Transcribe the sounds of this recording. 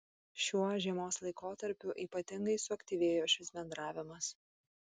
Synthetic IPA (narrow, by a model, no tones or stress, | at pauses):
ʃʲuɔʒʲiɛmoːslˠɐɪkoːt̪ɐɾʲpʲʊʔiːpɐt̪ʲɪŋɡɐɪsʊɐkt̪ʲiːʋʲeːjoːʃʲɪsbʲɛnd̪ɾɑːʋʲɪmɐs